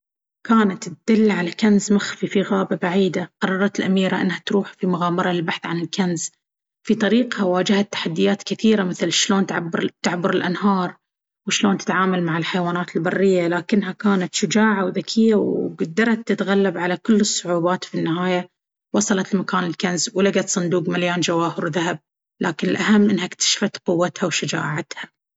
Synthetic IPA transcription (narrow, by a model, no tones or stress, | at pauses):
kaːnat̪d̪̥ɪlːʕalakanzmaxfifiɣaːbabaʕiːd̪aqɑrˤːɑɾˤɑt̪lʔamiːɾaʔɪ̰nːhat̪ɾuːħfimʊɣaːmɑɾˤɑɪlbaħθʕanɪlkanz | fit̪ˤɑɾiːqhawaːd͡ʒɪhat̪ːḁħad̪ːɪjaːt̪kɪθiːɾamɪθlʃloːnt̪ʕbɾt̪ːaʕbʊɾɪlʔanhɑːɾˤ | wɪʃloːnt̪ɪ̥t̪ʕaːmalmaʕɪlħajwaːnaːt̪ɪlbɑrːɪjːalaːkɪnːɦakaːnat̪ʃʊd͡ʒaːʕawðakʰɪjːawɡad̪ːɑɾˤɑt̪ːɪt̪ɣalːabʕalakʊlːɨsˤːʊʕuːbaːt̪finːɪhaːja | wɑsˤɑlɑt̪lmakaːnɪlkanzwlaɡat̪sˤɨnd̪uːqmaljaːnd͡ʒawaːhɪɾwðaab̚ | lʔa̰ːkɪnɪlʔaɦamːʔɪnːhaɪkt̪ḁʃfat̪qʊwːat̪hawʃʊd͡ʒa̰ːʕat̪ha